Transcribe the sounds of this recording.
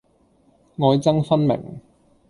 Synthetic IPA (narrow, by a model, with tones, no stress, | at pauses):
ŋɔː˨˧jt͡sɐ˥ŋfɐ˥nmɪ̰˨˩ŋ